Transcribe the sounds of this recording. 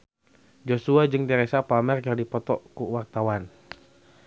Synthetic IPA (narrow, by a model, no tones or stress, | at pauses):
d͡ʒosuad͡ʒɨŋt̪ɛɾɛsapamɛrkardipɔt̪ɔkuwart̪awan